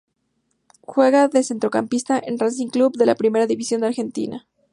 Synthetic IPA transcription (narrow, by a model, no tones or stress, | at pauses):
xwe̞ɣaðese̞nt̪ɾo̞kampist̪aʔenrans̬iŋklubðe̞lapɾime̞ɾaðiβisjo̞nd̪aɾxe̞nt̪ḭna̰